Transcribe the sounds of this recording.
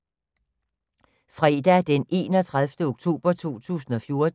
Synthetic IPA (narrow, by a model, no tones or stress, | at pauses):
fʁɛd̥æd̥enʔe̝̰ːnɒ̽t͡sʰʁaðˠfd̥əoɡ̥t͡sʰo̝̰ːb̥ɐt͡sʰo̝̰ːt͡sʰṵːsn̩ɒ̽fjo̝ɐd̥